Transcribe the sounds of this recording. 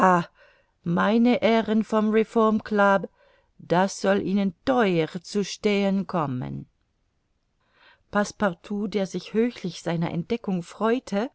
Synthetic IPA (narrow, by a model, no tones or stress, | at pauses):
a | maɪnəʔeːʁənfɔmʁefɔɐmklab | d̥asz̥ɔlʔiːnəntɔʏəʁt͡suʃteːənkʰɔmə̰n | pʰaspaʁtʰuːdeːɐzɪçhøːçlɪçz̥aɪnɐ̰ʔɛ̰nt̚d̥ɛkʊŋfʁ̥ɔʏtʰə